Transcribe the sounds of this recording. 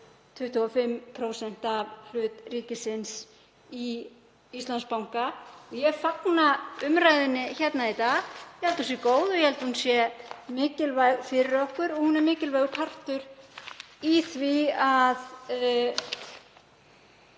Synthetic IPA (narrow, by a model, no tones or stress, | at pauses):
t̪ʰʏht̪ʰuafɪmpʰɾoːwsɛn̥t̪avl̥ʏːt̪riːcɪsɪns | i | ist̪lanspawŋ̥kaɔjɛfaknaʏmɾajðɪnːɪçɛt̪nait̪aɣjɛhɛlt̪hunsjɛkoːwðɔjɛhɛlt̪hunsjɛmɪːcɪlvajɣfɪɾɪɾɔhkʏɾɔɣhunɛɾmɪːcɪlvajɣʏkʰar̥t̪ʏɾ | iθviað